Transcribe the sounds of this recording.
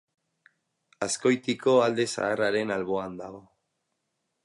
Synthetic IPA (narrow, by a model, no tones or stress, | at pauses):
asko̞jt̪iko̞ald̪e̞sa̰ːraɾe̞nalβo̞and̪aɣo̞